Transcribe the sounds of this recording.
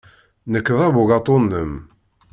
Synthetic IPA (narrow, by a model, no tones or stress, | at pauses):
nəkːðˤæβʊɡɑt̪ˤːonːəm